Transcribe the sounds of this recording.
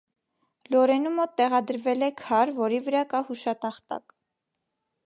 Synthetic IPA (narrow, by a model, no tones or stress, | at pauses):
lɔɾɛnumɔt̪ːɛʁɑd̪əɾvɛlɛkʰɑɾvɔɾivəɾɑkɑhuʃɑt̪ɑχt̪ɑ̰k